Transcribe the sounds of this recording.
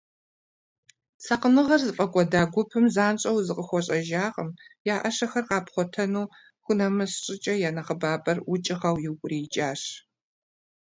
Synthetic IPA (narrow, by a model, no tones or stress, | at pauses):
sʰɐqənɨʁɐrzɨfʼɐkʷʼɔdaːɡʷʊpʰɨmzaːnɕʼɐwzɨqʼəxʷɔɕʼɐʒaːʁəmjaːʔɐʂɐxɐrqɑːpχʷɔtʰɐnuː | xʷʊnɐmɐsɕʼɪt͡ʃʼɐjaːnɐχəbaːbɐrwʊt͡ʃʼɪʁɐwjɪwkʷʼʊriːt͡ʃʼaːʂ